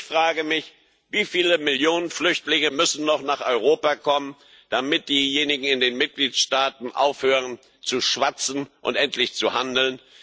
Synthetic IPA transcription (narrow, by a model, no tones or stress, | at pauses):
fʁ̥aːɡəmɪç | viːfiːləmɪljoːnənflʏçtlɪŋəmʏsn̩nɔχnaːχʔɔʏʁ̞oːpakʰɔmən | d̥amɪt̚d̥iːjeːnɪɡŋ̩ɪndeːnmɪt̚ɡ̥liːtʃtaːtn̩ʔa̰ʊfhøːʁən | t͡suʃv̥at͡sn̩ʔʊ̰ntʔɛntʰlɪçt͡suhandl̩n